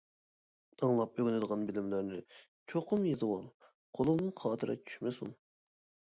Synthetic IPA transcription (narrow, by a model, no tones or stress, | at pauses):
d̪̥ɑŋlˠɑp̚øɡʲɪnɪd̪əʁɑnbɪlɪmlæɾnɪ | t͡ʃʰoqʰʊmjezɨwɑlˠ | qʰolˠɨmnɨnqʰɑːt̪ʰɨɾɑ̰t͡ʃʰy̥ʃmɪsun